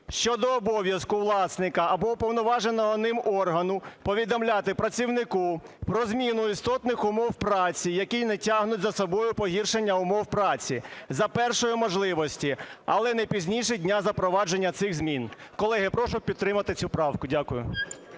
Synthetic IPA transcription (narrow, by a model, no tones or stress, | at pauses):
ʃt͡ʃɔd̪ɔːbɔʋʲjɐskʊʋlˠɑsnɪkɐːbɔpɔwnɔʋɑʒenɔɦɔnɪmɔrɦɐnʊpɔʋʲid̪ɔmlʲat̪ɪpɾɐt͡sʲiwnɪku | pɾɔzmʲinʊist̪ɔt̪nɪxʊmɔwpɾɑt͡sʲijɐkʲinɛtʲaɦnʊtʲzɐsɔbɔjʊpɔɦʲirʃenʲːɐʊmɔwpɾɑt͡sʲizɐpɛrʃɔjʊmɔʒlˠɪʋɔsʲtʲiɐ̰lˠɛnɐjpʲizʲnʲijʃɛdʲnʲazɐpɾɔʋɑd͡ʒenʲːɐt̪sɪɣzmʲinkɔlˠɛɦɪpɾɔʃʊpʲid̪t̪ɾɪmɐt̪ɪt͡sʲupɾɑwkʊdʲakʊjʊ̰